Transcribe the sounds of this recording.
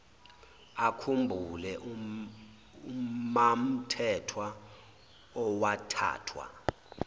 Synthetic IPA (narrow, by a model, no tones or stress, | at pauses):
akʰumbʱulɛʔ | umam̩tʰɛtʰwa | ɔwatʰa̰ːtʰwa̰